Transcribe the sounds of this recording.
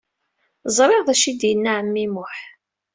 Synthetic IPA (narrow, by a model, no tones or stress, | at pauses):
zˤɾˤeʁðæʃid̪jənːaʕəmːimʊħ